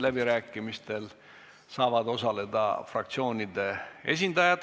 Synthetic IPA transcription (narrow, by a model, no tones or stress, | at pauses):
læbiɾæːkːˑimist̪e̞l | sɑːvɑd̪o̞sɑle̞d̪ɑ̰frɑk̚t̪sio̞ːnʲid̪e̞e̞s̬ʲind̪ɑjɑt̪